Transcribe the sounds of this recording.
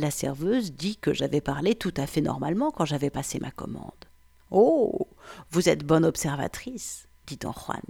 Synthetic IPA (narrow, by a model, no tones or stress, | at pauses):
lasɛ̰ʁvøzd̪ikəʒavɛpaʁlet̪ut̪afɛnɔ̰ʁmalmɑ̃kɑ̃ʒavɛpasemʔakɔ̰mɑ̰̃d̪ | o | vuzɛt̪bɔnɔpsɛʁva̰t̪χis | d̪̥it̪ɑ̰̃χwa̰n